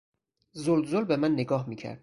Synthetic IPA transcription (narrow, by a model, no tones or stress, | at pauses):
zolzolbe̞mænːeɡɒːɦmiːcʰæ̰ɾd̪̥̚